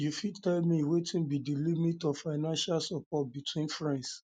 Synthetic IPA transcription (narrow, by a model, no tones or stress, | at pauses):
jufid̚tɛlmiwetĩnbidilimitɔvfaɪnãnʃalsapɔt̚bitʰwĩnfɹɛ̃ns